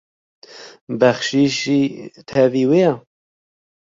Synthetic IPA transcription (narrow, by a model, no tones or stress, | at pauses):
bɛxʃiːʃiːt̪ʰɛviːweja